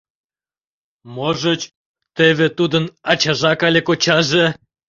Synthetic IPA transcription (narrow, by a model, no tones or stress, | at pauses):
moʒət͡ɕ | t̪eβet̪ud̪ənɑt͡ɕɑʒɑkɑlʲekot͡ɕɑʒe